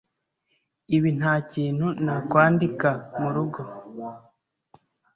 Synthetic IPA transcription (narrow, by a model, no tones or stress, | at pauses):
iβin̥haːciːn̥hunakwaːndikamuɾuɡo̞